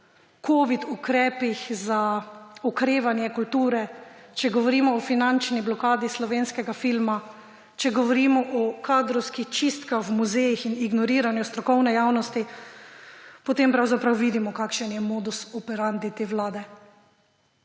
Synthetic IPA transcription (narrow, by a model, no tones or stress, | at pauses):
koːʋit̪ukɾɛːpixzaɔkɾeːʋanjɛkult̪uːɾɛt͡ʃɛɡɔʋɔɾimɔːfinant͡ʃniblɔkaːd̪islɔʋeːnskɛɡafilma | t͡ʃɛɡɔʋɔɾimɔʔɔkad̪ɾɔwskixt͡ʃist̪kaxwmuzejixiniɡnɔɾiːɾanjust̪ɾɔkɔwnɛjaːwnɔst̪i | pɔt̪empɾawzapɾawʋiːd̪imɔkakʃɛnjɛmoːd̪usɔpɛɾand̪it̪eːʋlaːd̪ɛ